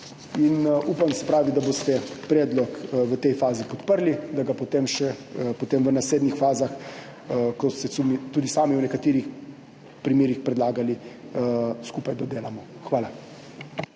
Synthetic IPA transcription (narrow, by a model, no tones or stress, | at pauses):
inuːpamsɛpɾaːʋid̪abost̪ɛpɾɛːd̪lɔkʋət̪ɛjfaːzipɔt̪pəɾlid̪aɡapot̪eːmʃɛpot̪emʋənasleːd̪nixfaːzax | kɔsɛsumit̪uːd̪isaːmiuwnɛkat̪eːɾix | pɾimeːɾixpɾɛd̪laːɡali | skuːpajd̪ɔd̪eːlamɔxʋaːla